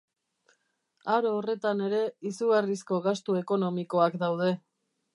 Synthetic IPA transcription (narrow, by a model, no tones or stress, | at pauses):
aɾoːre̞t̪ane̞ɾe̞isuɣaris̬ko̞ɣast̪ue̞ko̞no̞miko̞akd̪awðe̞